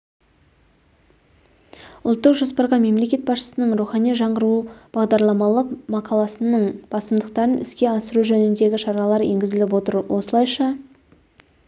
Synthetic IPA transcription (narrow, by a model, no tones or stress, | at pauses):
ʊlˠt̪ːəqʒo̞spəɾʁɑme̞mle̞kʲe̞t̪̚bɑsʃə̥sənəɴɾuχɑnijʒɑɴʁəɾub̥ɑʁd̪ɑɾlˠɑmɑlˠəqmɑqʰɑlˠɑsənəɴb̥ɑsəmd̪əq̚t̪ɑɾənɪskʲe̞ɑsəɾuʒɵnɪnd̪e̞ɡʲɪʃɑɾɑlˠɑɾje̞ŋɡʲɪzɪlɪp̬wo̞t̪əɾwʔo̞səlˠɑjʃɑ